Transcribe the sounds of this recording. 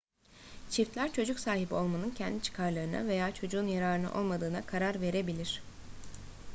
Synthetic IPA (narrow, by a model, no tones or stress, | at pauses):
t͡ʃʰift̪lʲæɾt͡ʃʰo̞d͡ʒuksaːɦibio̞lˠmanɯncʰɛnd̪it͡ʃʰɯ̥kʰaɾlˠaɾɯna̰ve̞jaːt͡ʃʰo̞d͡ʒuːnjaɾaːɾɯnɯ̰ʔo̞lˠmad̪ɯːnakʰaɾaɾve̞ɾe̞bilʲiɾ̥